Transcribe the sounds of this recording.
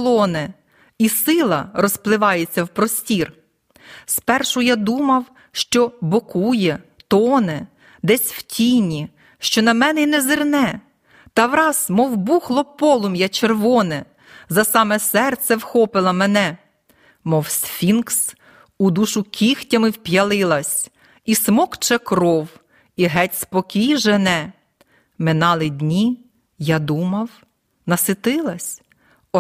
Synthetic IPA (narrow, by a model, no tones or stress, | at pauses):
lˠɔnɛ | isɪlˠɐɾɔsplˠɪʋɑjet͡sʲːɐwpɾɔsʲtʲir | spɛrʃʊjad̪umɐw | ʃt͡ʃɔbɔkujɛt̪ɔnɛ | d̪ɛsʲwtʲinʲi | ʃt͡ʃɔnɐmɛnɛinɛzɪrnɛ | t̪ɐwɾɑzmɔwbuxlˠɔpɔlˠʊmjɑt͡ʃerʋɔnɛ | zɐsɑmɛsɛrt̪sʲɛwxɔpɪlˠɐmɛnɛ | mɔwsfʲinks | ud̪uʃʊkʲixtʲɐmɪwpjɐlˠɪlˠɐsʲ | ismɔkt͡ʃɛkɾɔw | iɦɛtʲspɔkʲijʒenɛ | mɪnɑlˠɪdʲnʲi | jɑd̪umɐw | nɐsɪt̪ɪlˠɐsʲ | ɔ